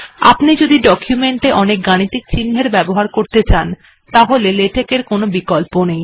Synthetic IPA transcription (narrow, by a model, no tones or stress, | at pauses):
a̰pnid͡ʑod̪iɖɔkʰjumeɳʈeʔɔnek̚ɡanit̪ik̚t͡ɕinːeɾbɛboɦaɾkoɾt̪et͡ɕan | t̪aɦoleleʈʰekeɾkonobikolponej